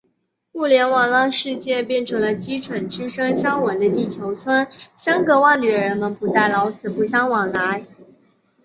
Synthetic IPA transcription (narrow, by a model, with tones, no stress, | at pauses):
mu˥˩ljɛ˧˥nwɑ˨˩ŋlɑ˥ŋʂɻ̩˥˧t͡ɕjɛ˥˧pjɛ˥˩nʈ͡ʂʰlə˧t͡ɕi˥ʈ͡ʂʰwə˨˩nʈ͡ʂɻ̩˥ʂɤ˥ŋɕjɑ˥ŋwɑ˨˩ŋd̪ə˧t̪i˥˩t͡ɕʰjo˧˥ʊt͡sʰwə˥nɕjɑ˥ŋkɤ˧˥wa˥˩ŋly˨˩ɻə˧˥nmə˨npu˧˥t͡sa˥˩ɪlɑ˧˥ʊt͡ssʰɹ̩˨˩pu˥˩ɕjɑ˥ŋwɑ˨˩ŋla˧˥ɪ